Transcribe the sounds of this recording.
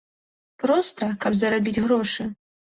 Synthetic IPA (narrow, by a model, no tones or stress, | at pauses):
pɾɔst̪ɐkɐbzɐɾabʲid͡zʲɣɾɔʂɨ